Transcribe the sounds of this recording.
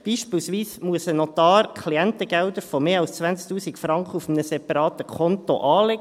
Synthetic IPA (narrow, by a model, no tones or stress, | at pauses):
b̥iːʃpiːlsʋiːsmuəsənɔt̪ɑːɾkʰliɛntəɡæld̪əɾfɔmeːɑlst͡sʋænt͡sk̚t̪uːsikfɾɑŋkχəufm̩nəsɛpɑɾɑːt̪əkʰɔnt̪o̰ʔɑːlɛɡ